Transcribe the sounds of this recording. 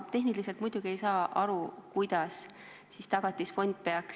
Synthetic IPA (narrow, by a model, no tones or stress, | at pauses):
t̪e̞ɦnilise̞lt̪mujd̪̥uɡ̥ie̞jsɑːʔɑɾukujd̪̥ɑs | sist̪ɑɡ̥ɑt̪ʲːˑisfo̞nʲd̪̥̚pe̞ɑk